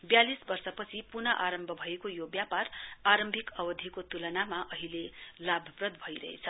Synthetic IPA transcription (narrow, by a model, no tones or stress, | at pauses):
bjalisbʌrsʌpʌt͡sʰipunʌʔaɾʌmbʱʌbʱʌekojobjaparaɾʌmbʱikʌbʌd̪ʱjikot̪ulʌnamaʔʌɦilelabʱʌprʌd̪̚bʱʌiɾʌ̰ɦḛt͡sʰʌ